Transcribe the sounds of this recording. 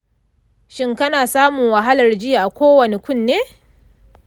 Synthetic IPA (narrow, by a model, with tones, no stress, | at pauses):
ʃɪ˦ŋkɐ˦naː˨saː˦mʊ˨ŋwɐ˨ɦa˦lɐ˨rd͡ʒɪ˦ja˨ʔa˨kʷoː˦wɐ˨ne˨kʷʊ˦˨nːeː˦